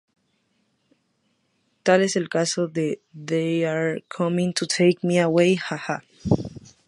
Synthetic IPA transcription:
t̪aleselkasoðeðejaɹkʰʌmĩŋtʰutʰejkmiawejhaha

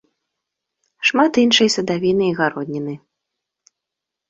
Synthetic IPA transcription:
ʂmat̪inʂɐjsɐd̪avʲinɨiɣaɾɔd̪ʲnʲinɨ

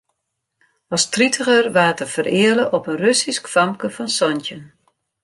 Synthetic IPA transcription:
ɑstritʰəɣərʋaːtəfərɪələʔɔpənrøsiskfɑmkəfɔnsɔntən

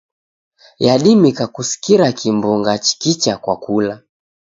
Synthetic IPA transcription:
jaɗimikakusi̥kiɾakʰimbuŋɡat͡ʃi̥kit͡ʃakwa̰kula

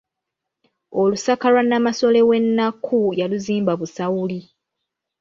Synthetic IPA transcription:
olusakalwanamaso̞le̞we̞nːakʰːujaluziːmbaβusawuli

